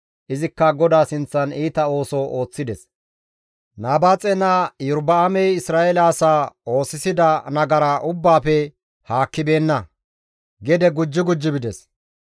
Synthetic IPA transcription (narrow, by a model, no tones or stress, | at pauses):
ʔɪzɪkːɐɡɔd̪aːsɪnt͡sːɐniːt̪ɐo̞ːsɔʔo̞ːt͡sːɪd̪ɛs | naːbaːt͡sʼɛnajʊɾbɐːmɛjɪsɾaːɛlaːsaːo̞ːsɪsɪd̪ɐnɐɡɐɾaːʔʊbːaːpɛ | haːkːɪbe̞ːnːɐ | ɡɛd̪ɛɡʊd͡ʒːɪɡʊd͡ʒːɪbɪd̪ɛs